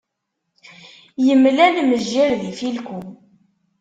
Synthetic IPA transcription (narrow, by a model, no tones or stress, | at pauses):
jəmlænməʒːiɾðifilkʷu